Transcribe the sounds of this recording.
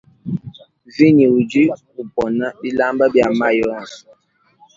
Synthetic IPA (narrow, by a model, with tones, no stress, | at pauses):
vi˦ni˨u˨d͡ʒi˦ | u˨pɔ˨na˦bi˦la˦mbə˦bja˨ma˦jɔ˦˨n˨